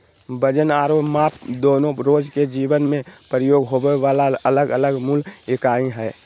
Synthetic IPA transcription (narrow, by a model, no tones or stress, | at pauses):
bəd͡ʒənaːɾoːmaːpd̪oːnõɾoːd͡ʒked͡ʒiːʋənmẽpɾəjoːɡɦobeaːlaələɡələɡmulɪkaːĩɦɛː